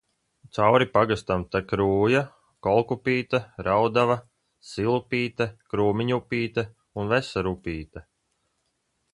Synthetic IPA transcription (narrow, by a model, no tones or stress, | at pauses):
t̪sawɾipaɡast̪amt̪akɾuːja | kɔlˠkupiːt̪aɾawd̪ava | silˠupiːt̪akɾuːmiɲupʲiːt̪a | unvɛsaɾupiːt̪a